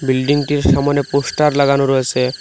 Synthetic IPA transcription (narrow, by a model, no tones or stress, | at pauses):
bilɖiŋʈiɾʃamaneposʈaɾlaɡanoɾoet͡ɕʰe